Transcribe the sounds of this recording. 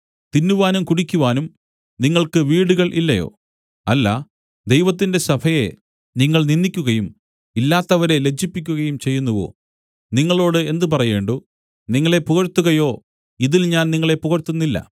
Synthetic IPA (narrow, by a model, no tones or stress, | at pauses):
t̪inːuʋaːnumkuɽikʲːuʋaːnum | niŋːɐɭkɨʋiːɽuɣɐɭʔilːɐjo̞̰ː | ɐlːɐ̰ | d̪e̞jʋɐt̪̬ːinde̞sɐbʰʱɐje̞̰ | niŋːɐɭninːikʲːuɣɐjum | ilːaːt̪ːɐʋɐɾe̞le̞kɕipːikʲːuɣɐjumt͡ɕe̞jːunːɐʋo̞̰ː | niŋːɐɭo̞ːɽɨe̞nd̪ɨpɐrɐje̞ːɳɖoː | niŋːɐɭe̞puɣɐɾt̪ːuɣɐjo̞ː | iðilɲaːnniŋːɐɭe̞puɣɐɾt̪ːunːilːɐ̰